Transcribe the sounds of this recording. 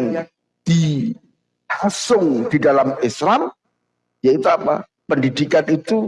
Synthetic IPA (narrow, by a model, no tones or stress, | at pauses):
n | d̥i | hasʊŋd̪̥idalamɪsɾam | jait̪uapa̰ | pəndidikanit̪u